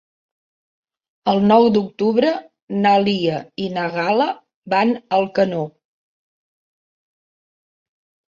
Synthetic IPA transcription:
əlˠnɔwd̪uk̚t̪uβɾə | naliəinəɣalə | banəlˠkəno

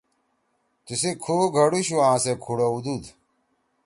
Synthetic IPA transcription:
t̪isikʰuːɡʱɐɽuɕuãːsekʰuɽɐud̪ud̪

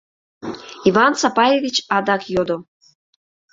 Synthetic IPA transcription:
ivɑnt͡sapɑjevʲit͡ɕɑd̪ɑkjod̪o

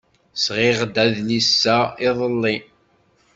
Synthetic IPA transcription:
sʁɪʁd̪æðnisːæɪðˤəlːi

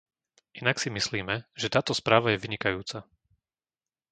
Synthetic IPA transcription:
ʔinaksimisliːmɛʒɛt̪aːt̪ɔspɾaːʋajɛʋiɲikajuːt͡sa

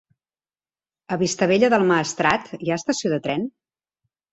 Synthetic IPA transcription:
əβist̪əβeʎəðəlˠmaːst̪ɾat̪jaəst̪əsioðət̪ɾɛn

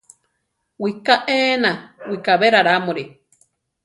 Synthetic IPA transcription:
wikaʔeːnãwikaβeɾaɾamũɾi

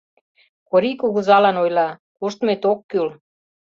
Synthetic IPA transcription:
koɾikuɣuzɑlɑnojlɑkuʃt̪met̪okːyl

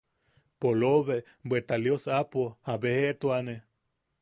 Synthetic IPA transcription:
poloβe | bwet̪aljosapohabeheʔt̪uane

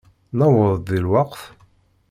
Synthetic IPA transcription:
nəwəðˤðilwɑqθ

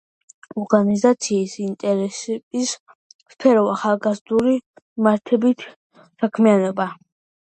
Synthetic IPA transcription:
ɔɾɡanizat̪sʰiːsint̪ʼɛɾɛsɛbis | spʰɛɾɔaχalˠɡazd̪uɾi | maɾt̪ʰɛbit̪ʰ | sakʰmianɔba

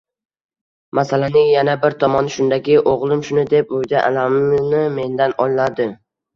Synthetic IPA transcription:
masalanɪŋjanabɪɾt̪ʰɒmɒnʃʊnd̪aɡʲɪʔoʁlˠɪmʃʊnɪd̪e̞p̚ʊd̪aʔa̰lamnɪme̞nd̪anɒllad̪ɪ

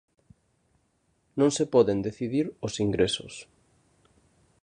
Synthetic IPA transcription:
nõŋsepɔðend̪eθiðiɾʊsiŋɡɾesʊ̰s

